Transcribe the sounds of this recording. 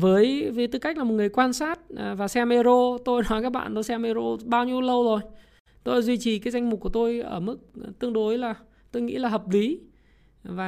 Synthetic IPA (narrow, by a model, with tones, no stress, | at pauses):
vəː˨˦jvəː˨˦jt̪ɨ˨˧˩ka˦˥k̟̚la˨mo˨˩t̚ŋɨ˨˩əjkwaː˧nsaː˦˥t̚vaː˨˩sɛ˧me˧zo˧t̪o˧jnɔ˨˦jkaː˦˥k̚ɓa̰ː˧˨nt̪o˧jsɛ˧me˧zo˧ɓaː˧wɲi˧əwlə˧wzo˨˩j | t̪o˧la˧˦zwi˧t͡ɕi˨˩kaː˨˦jza˧jŋ̟mʊ˨˩k͡p̚ku˧˩ə˩t̪o˧jʔəː˧˩mɨ˦˥k̚t̪ɨ˧əŋɗo˨˦jlaː˨˩ | t̪o˧jŋḭ˧˥laː˨˩ɦəː˨˩p̚li˨˦ | vaː˨˩